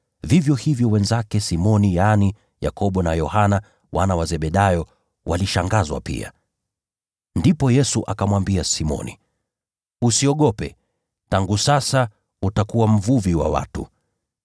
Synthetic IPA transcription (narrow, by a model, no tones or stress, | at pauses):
vivjɔhivjɔwɛnzakɛsimɔnijani | ja̰kʰɔɓɔnajɔhana | wʔanawazɛɓɛɗajɔ | waliʃaŋɡazwa̰pḭa̰ | ndipɔjɛsuʔakamwambiasimɔ̰nḭ | usiɔɠɔpɛ | taŋɡusasa | utakuwam̩vuviwa̰wa̰tṵ